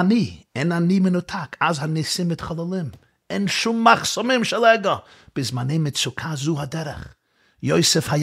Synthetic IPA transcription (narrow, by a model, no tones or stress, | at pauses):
niːɪnaniːmɪnʊtʰakʰazhanɪsɪmːɪtχɔlˠɔlˠɪm | ɪnʃumːaχsɔmɪmʃɛlˠɛɡə | b̥ɪsmaneɪmɪtsʊkʰazuːɦadɛɾə̰χ | joɪsɪfhaj